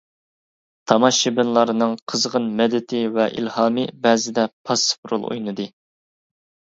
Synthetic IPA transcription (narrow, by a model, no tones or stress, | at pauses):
t̪ʰɑmɑʃibɪnlˠɑɾɨnɨŋqʰəzʁənmɛd̪ɪt̪ʰɪvɛʔḭlhɑːmɨbɛːzɪd̪ɛpʰɑspɾṵlˠṵjnɨd̪ɨ